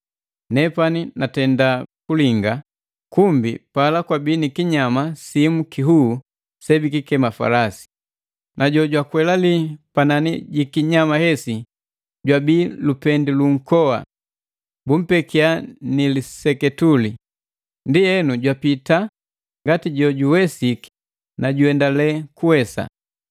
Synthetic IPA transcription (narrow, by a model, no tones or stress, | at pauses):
nɛpaninatɛndakuliŋɡa | kumbipalakwabiːnikiɲamasimukiɦuː | sɛbikikɛmafa̰lasi̥ | nʔaɟɔɟwakwɛlalipananiɟikiɲamahɛsi | ɟwabiːlupɛndiluŋ̩kɔa̰ | bum̩pɛkianilisɛkɛtuli | ndiɛnuɟwapita | ŋɡatiɟɔɟuwɛsiki̥ | naɟuɛndalɛkuwɛsa̰